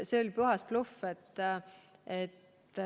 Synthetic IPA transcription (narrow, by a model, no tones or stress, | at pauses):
seolʲipuɦɑsplufet̪ː | et̪